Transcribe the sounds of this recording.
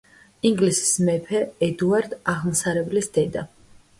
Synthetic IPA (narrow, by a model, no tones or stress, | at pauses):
iŋɡlisi̥smɛpʰɛːd̪uaɾd̪aʁmsaɾɛblisd̪̥ɛd̪a